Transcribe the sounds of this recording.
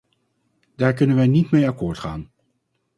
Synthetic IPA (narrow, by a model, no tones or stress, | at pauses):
d̥aːɹkɵnənʋɛjnitmejakʊːɹtχaːn